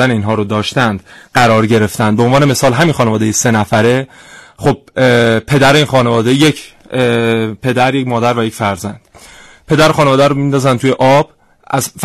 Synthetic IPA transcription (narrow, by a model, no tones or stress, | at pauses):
æneiːnɦɒːɾod̪ɒːʃt̪ænd̪̥ɢæɾɒːɾɟe̞ɾe̞ft̪ænd̪beonvɒːneme̞sɒːlɦæmiːnxɒːnevɒːd̪e̞jese̞næfæɾe̞xob̥̚pʰe̞d̪æɾeiːnxɒːnevɒːd̪e̞jecʰ | pʰe̞d̪æɾjecmɒːd̪æɾvæjecfæɾzænd̪̥ | pʰe̞d̪æɾxɒːnevɒːd̪æɾomind̪ɒːzænt̪uːjeʔɒb̥ | ʔæzf